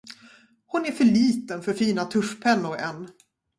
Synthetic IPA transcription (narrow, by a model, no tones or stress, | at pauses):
hʊnæɾfœɭiːt̪ənfœɾfiːnat̪ʰɵʂpʰɛnːʊɾɛnː